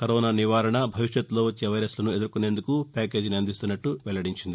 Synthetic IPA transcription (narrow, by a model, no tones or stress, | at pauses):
kɐɾoːnaːniʋaːɾɐɳɐbʱɐʋiʂjɐt̪ːlo̞ːʋɐt͡ʃːeʋɐjɾɐslɐnue̞d̪uɾukune̞ːnd̪ukupʲaːk̬e̞ːd͡ʒniɐnd̪ist̪unːɐʈːuʋɛɭːɐɽiɲt͡ʃind̪i